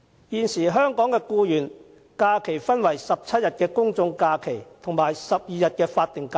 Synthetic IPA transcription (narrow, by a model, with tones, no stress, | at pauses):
jiː˨nsiː˨˩ɦœː˥ŋkɔː˨˥ŋkɛː˧kuː˧jyː˨˩n | kaː˧kʰe˨˩jfɐ˥nwɐ˨˩jsɐ˨p̚t͡sʰɐ˥t̚jɐ˨t̚kɛː˧kʊ˥ŋt͡sʊ˧ŋkaː˧kʰe˨˩jt̪ʰʊ˨˩ŋmaː˨jsɐ˨p̚jiː˨˧jɐ˨t̚kɛː˧faː˧t̚t̪ɪ˨ŋkaː˧